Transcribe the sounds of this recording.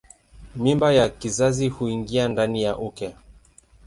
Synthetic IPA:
mimbajakizazihuiŋɡiandanijaʔukɛ

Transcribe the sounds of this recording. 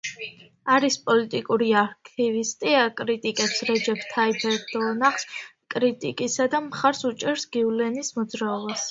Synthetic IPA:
aɾispʼɔlit̪ʼikʼuɾiaɾkʰivist̪ʼiakʼɾit̪ʼikʼɛpsɾɛd͡ʒɛpʰt̪ʰaibʰɛɾd̪ɔnaχskʼɾit̪ʼikʼisad̪amχaɾsut͡ʃʼɛɾsɡ̥iulɛnismɔd̪zɾaɔbas

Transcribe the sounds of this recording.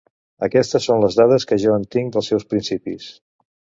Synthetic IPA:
əkɛst̪əsːonləzðað̞əskəʒɔənt̪iŋd̪əlˠsɛwspɾinsipis

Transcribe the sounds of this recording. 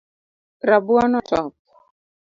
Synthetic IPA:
ɾabuɔnɔtɔp̚

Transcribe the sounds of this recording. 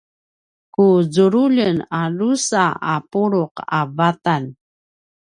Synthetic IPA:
kuzuɾuʎənalusaapuɾuqa̰vatan

